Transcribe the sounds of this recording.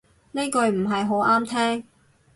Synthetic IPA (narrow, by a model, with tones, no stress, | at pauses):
ne˥kɵ˨˧ɥm̩˨˩ɦɐ˨jɦo˨˥wʔaː˥mt̪ʰɛː˥ŋ